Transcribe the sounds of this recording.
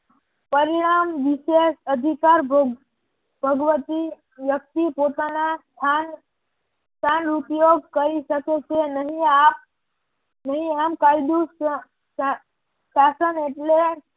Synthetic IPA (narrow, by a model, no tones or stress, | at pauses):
pəɾiɽ̃amʋisesəd̪ʱikaɾb | bʱəɡʋət̪i | ʋjək̚t̪ipot̪anast̪ʰan | sʰanupjoɡ̚kəɾisəket͡sʰenəɦiap̚ | nəɦiamkajd̪u | a | sasəneʈle